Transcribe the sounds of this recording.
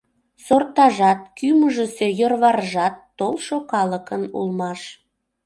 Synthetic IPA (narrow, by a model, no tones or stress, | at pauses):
sort̪ɑʒɑt̪̚kyməʒəse̽jorβɑrəʒɑt̪ːolˠʃokɑləkənṵlmɑʃ